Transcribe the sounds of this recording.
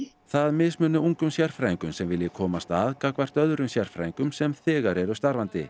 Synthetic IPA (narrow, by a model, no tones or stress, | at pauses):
θaðmɪsmʏːnʏuŋkʏmsjar̥fɾaːjŋkʏmsɛmvɪlːjɪkʰɔːmast̪aðkakvar̥t̪œðɾʏmsjar̥fɾa̰ːjiŋkʏmsɛmθɪːɣaɾɛɾʏst̪aɾvant̪ɪ̰